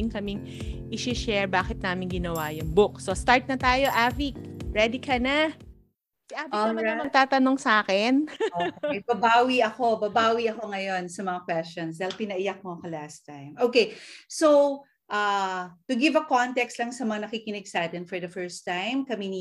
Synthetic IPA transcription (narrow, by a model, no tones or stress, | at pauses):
ɪŋkɐmɪŋ | ʔɪʃɪʃɛɹbaːkɪt̪̚naːmɪnɡɪnɐwajʊŋbʊk̚sost̪aɹt̪̚nɐt̪aːjo̞ʔaːvɪk̚ɹɛd̪ɪkʰɐna | sɪʔaːvɪɐɐɐmɐɡ̚t̪aːt̪ɐnoŋsaːkɛnobɐbaːwiɐko̞bɐbaːwiʔɐkoŋɐjo̞nsɐmɐŋakwɛst͡ʃons̬d̪ajlpɪnɐʔɪjak̚mokɐlast̪ajmʔoːkejsow | ʔɐt̪ʊɡɪvɐkont̪ɛkst̪lɐŋsɐmɐŋanɐkikɪnɪɡsaːt̪ɛnfɔɹd̪ɐfɛɹst̪ãjmkɐmin